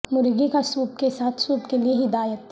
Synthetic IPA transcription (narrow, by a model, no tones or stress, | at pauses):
mʊɾɡikasuːb̚kesaːt̪ʰsuːbkelieɦɪd̪aːjət̪